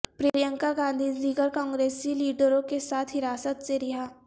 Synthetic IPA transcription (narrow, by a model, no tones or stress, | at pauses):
pɾeːɾjə̃ŋkaɡãːnd̪ʱiːd͡ʒd̪iːɡəɾkɔ̃ːŋɡɾeːsiliːɖəɾõkesaːt̪ʰɦɪɾaːsət̪seɾɪɦaː